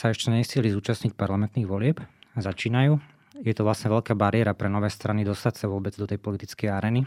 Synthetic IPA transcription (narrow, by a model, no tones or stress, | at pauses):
saɛʃcɛɲɛsiɛlizuːt͡ʃasɲicpaɾlamɛnt̪niːɣʋɔlɪɛpzat͡ʃiːnajuː | jɛt̪ɔʋlasɲɛʋɛʎkaːbaɾɪɛɾapɾɛnɔʋɛːst̪ɾanid̪ɔst̪acsaʋʊɔbɛd͡zd̪ɔt̪ɛjpɔlit̪it͡skɛjaɾɛːni